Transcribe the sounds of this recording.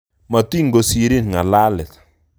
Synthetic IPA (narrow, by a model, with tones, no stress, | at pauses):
ma˨ti˦ŋɡo˨si˦ɾi˦nŋa˨la˦lɛ˨t